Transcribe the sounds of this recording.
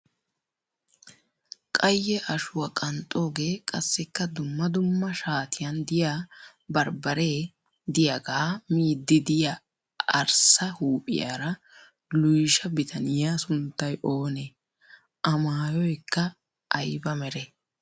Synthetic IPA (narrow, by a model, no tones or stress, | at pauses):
kʼɐjːɛʔɐʃʊwɐkʼɐnt̪ʼo̞ːɡe̞ːkʼɐsːɛkːɐd̪ʊmːɐd̪ʊmːɐʃaːt̪ʰɪjɐnd̪ɪjaː | bɐɾbɐɾeː | d̪ɪjaɡaːmiːd̪ːɪd̪ɪja | ɐɾsɐhuːpʼɪ̰ja̰ːɾɐ | lʊjʃɐbɪt̪ʰɐnɪjaːsʊnt̪ːɐjʔo̞ːne | ʔɐmaaːjɔjkːɐ | ʔːjbɐmɛɾɛ